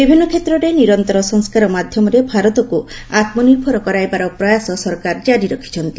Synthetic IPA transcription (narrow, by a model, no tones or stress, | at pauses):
bibʱinːɔkʰet̪ɾɔɾeniɾɔnt̪ɔɾɔsɔŋskaɾɔmad̪ʱjɔmɔɾebʱaɾɔt̪ɔkuat̪mɔniɾbʱɔɾɔkɔɾajbaɾɔpɾɔjasɔsɔɾkaɾd͡ʒaɾiɾɔkʰi̥t͡ʃʰɔnt̪i